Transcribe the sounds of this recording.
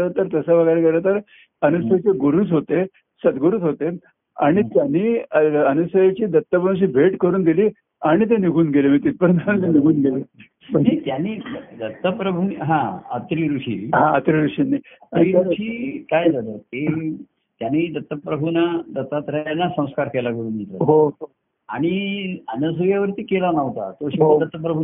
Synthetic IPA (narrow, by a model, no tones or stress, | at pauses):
ɾət̪əɾt̪əsəbəɡaɾeɡəɾat̪əɾ | ənusəjat͡seɡoɾut͡sɦot̪e | səd̪ɡoɾuːt͡sɦot̪e | a̰ɽ̃it̪janːiːəənusəjat͡ɕiːd̪ət̪ːəpɾəwɕ̬iːbʱeʈkəɾuːnd̪iliː | aɽ̃it̪̬eniɡʱuːnɡelemiːt̪it̪̚pəɾənt̪anĩt̪eniɡʱuːnɡele | pəɳet̪janːiːd̪ət̪ːəpɾəbʱuniɦãə̰t̪ɾiɾuɕḭːɦãət̪ɾiɾuʂiːniətɾiuɾʂiːkajd͡z̪alət̪e | t̪janːiːd̪ət̪ːəpɾəbʱunad̪ət̪at̪ɾajanːasə̃w̃skaɾkelaɡəɽuːnd̪it̪a̰ɦoɦo | aɽ̃iənəs̬əjaʋəɾt̪iːkelanəʋt̪a̰t̪oɕid̪ət̪ːəpɾəbʱu